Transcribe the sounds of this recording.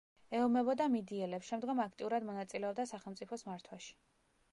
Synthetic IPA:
ɛɔmɛbɔd̪amid̪iɛlɛpsʃɛmd̪ɡɔmakʰt̪ʼiuɾad̪mɔnat̪sʼilɛɔb̚d̪asaχɛlˠmp̪sʼipʰɔsmaɾt̪ʰwaʃi̥

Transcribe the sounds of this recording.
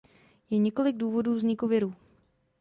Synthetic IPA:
jɛɲɛko̞lɪɡ̚duːvo̞duːvzɲɪkuvɪɾuː

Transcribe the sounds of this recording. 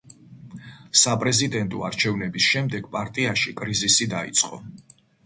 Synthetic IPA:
sapʼɾɛzid̪ɛnt̪ʼɔa̰ɾt͡ʃʰɛvnɛbisʃɛmd̪ɛɡ̥pʼaɾt̪ʼiaʃikʼɾizisid̪aḭt̪sʼqʼɔ̰

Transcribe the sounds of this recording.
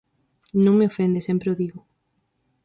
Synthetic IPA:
nõŋmeofend̪esempɾeoðiɣʊ

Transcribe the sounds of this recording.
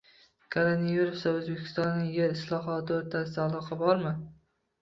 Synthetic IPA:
kʰoɾenijiɾefsaɵzbekʲʰɪ̥st̪ɒnːɪŋjeɾɪslˠɒɦɒt̪ʰɪoɾt̪ʰasɪd̪aːlˠɒqʰɑbɒɾmɪ

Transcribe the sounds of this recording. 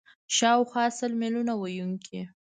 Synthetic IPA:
ʃɑwxwɑsəlmelunawajuŋkʰi

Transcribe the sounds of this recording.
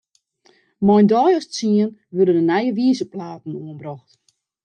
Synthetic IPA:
mɔjndɔjɔst͡siənʋødənənajəʋiəzəplaːtn̩uənbrɔxt

